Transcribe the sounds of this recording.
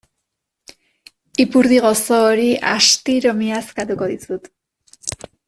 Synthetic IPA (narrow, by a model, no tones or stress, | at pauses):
ipuɾðiɣosoːɾiʔa̰ʃt̪iɾomiaskat̪ukoðit͡sut̪